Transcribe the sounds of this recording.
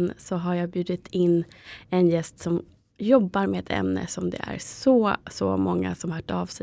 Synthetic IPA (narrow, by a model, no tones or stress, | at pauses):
nsɔɦaɾjaːbjʉ̟ːd̪ɪt̪ʰɪnːɛnjɛst̪sɔm | jɔbːaɾmɛɛt̪ʰɛ̰mnə̰sɔmd̪ɛ̰æ̰ɾsɔsɔ̰mɔŋːa̰sɔmhːʈɑːvsɛ